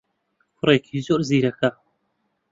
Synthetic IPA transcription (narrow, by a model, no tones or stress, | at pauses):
fɾekʰizoɾziːɾɐka